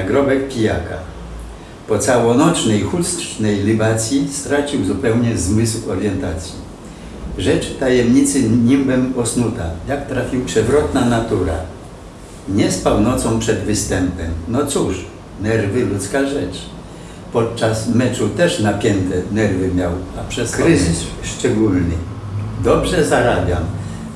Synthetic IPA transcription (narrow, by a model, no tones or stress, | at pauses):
aɡɾɔbɛk̚pʲijaka̰ | pɔt̪sawɔnɔt͡ʂnɛjxustʂnɛjlibat̪sʲjist̪ɾat͡ɕiwzupɛwɲɛzmɘswɔɾjɛnt̪at̪sʲji | ʐɛt͡ʂt̪ajɛmɲit̪sɘɲimbɛmɔsnut̪ajakt̪ɾafʲiwpʂɛvɾɔt̪nanat̪uɾa̰ | ɲɛspawnɔt̪sɔ̃pʂɛd̪vɘst̪ɛmpɛmnɔt̪suʂ | nɛɾvɘlut̪skaʐɛt͡ʂ | pɔt̪̚t͡ʂasmɛt͡ʂut̪ɛʂnapʲjɛnt̪ɛnɛɾvɘmʲjawapʂɛskɾɪzɪsʂt͡ʂɛɡulnɘ̰d̪ɔbʐɛzaɾabʲjam